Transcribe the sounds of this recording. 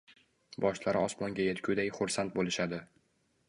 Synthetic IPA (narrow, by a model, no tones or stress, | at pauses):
bɒʃlaɾɪɒsmɒŋɡʲaje̞t̪kʰʲʊd̪ajχʊɾsant̪̚bolɪʃad̪ɪ